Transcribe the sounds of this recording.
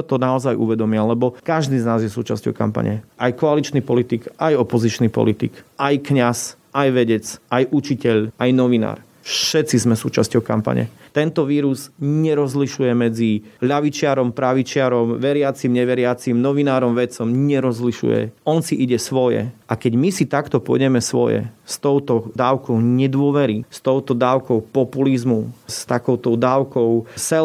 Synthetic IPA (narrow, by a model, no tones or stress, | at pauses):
t̪ɔnaɔzajʔṵʋɛd̪ɔmialɛbɔkaʒd̪iznaːzjɛsṵːt͡ʃascɔ̰ʊka̰mpa̰ɲɛ̰ʔajkɔalit͡ʃnipɔlit̪ikʔajɔpɔzit͡ʃnipɔ̰lit̪ḭkʔajkɲas | ʔajʋɛɟɛt͡sajʔut͡ʃicɛʎajnɔʋina̰ːɾ | fʃɛt̪t͡sizmɛsuːt͡ʃascɔʊka̰mpa̰ɲɛ̰t̪ɛnt̪ɔʋiːɾuzɲɛɾɔzliʃujɛmɛd͡ziʎaʋit͡ʃɪaɾɔmpɾaʋit͡ʃɪaɾɔmʋɛɾɪat͡simɲɛʋɛɾɪat͡simnɔʋinaːɾɔmʋɛt͡sɔmɲɛɾɔzliʃṵjɛ̰ɔnsiʔiɟɛsʋɔjɛ̰ʔakɛɟmisit̪akt̪ɔpʊɔ̰ɟɛmɛsʋɔ̰jɛ̰st̪ɔʊt̪ɔd̪aːʊkɔʊɲɛd̪ʊɔʋɛɾist̪ɔʊt̪ɔd̪aːʊkɔʊpɔpulizmust̪akɔʊt̪ɔʊd̪aːʊkɔʊsɛ